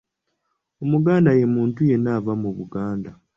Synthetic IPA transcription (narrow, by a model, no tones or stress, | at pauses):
o̞muɡaːndaje̞muːntuje̞naːvamuβuɡaːnda